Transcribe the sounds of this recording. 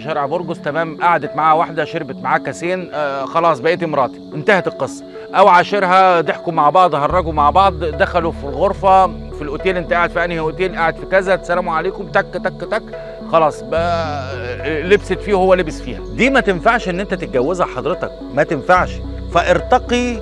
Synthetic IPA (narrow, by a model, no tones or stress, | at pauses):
ʃæɾeʕboɾɡost̪æmæːmʔaʕad̪et̪maʕaːæwaħd̪æʃeɾbet̪maʕaːkæseːnxɑlɑːsˤbæʔeːt̪imɾˤɑːt̪i̥ʔent̪æhæt̪elqːesˤːɑ̥ | ʔæwʕaːʃeɾɦæd̪eħkomːaʕbɑʕd̪ˤɦɑrˤːɑɡomaʕbɑʕd̪ˤd̪æxælufilɣoɾˤfæ | filʔot̪eːlʔent̪æʔaʕed̪fiʔænihʔot̪eːlʔaʕed̪fikæzæt̪e̥sælæːmuʕaleːkomt̪ækːæt̪ækːæt̪æk | xɑlɑːsˤbæ | lebset̪fiːhowːælebesfḭːhæd̪iːmæt̪enfaʕʃʔenːʔent̪æt̪et̪̚ɡæwːezhæħɑd̪ˤɾet̪ɑ̰k | mæt̪enfaʕʃ | fæʔeɾt̪ɑqi